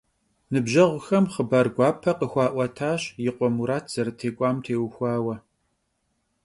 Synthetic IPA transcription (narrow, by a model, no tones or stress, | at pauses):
nɨbʒɐʁʷʊxɐmχəbaːrɡʷɑːpʰɐqəxʷɑːʔʷɐtʰaːɕjɪqʷɔmuɾaːtʰz̥ɐɾɐtʰeːkʷʼɑːmtʰeːwxʷɑːwɐ